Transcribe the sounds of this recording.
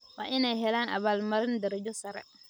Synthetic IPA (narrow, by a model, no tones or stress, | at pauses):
wa̰ʔinajɦɛlana̰balmaɾindɛɾd͡ʒɔsaɾɛ̰